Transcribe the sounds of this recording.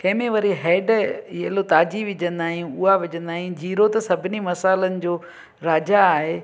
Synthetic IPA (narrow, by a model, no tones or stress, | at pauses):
kɐ̃ɦɪ̃mẽʋɐɾiɦɛːɖielot̪aːd͡ʑiʋɪd͡ʑə̃nd̪aːɦĩʊɦaʋɪd͡ʑə̃nd̪aːɦĩd͡ʑiːɾot̪ɐsɐbʱɪnimɐsaːɪlənɪ̆d͡ʑoː | ɾaːd͡ʑaːɦe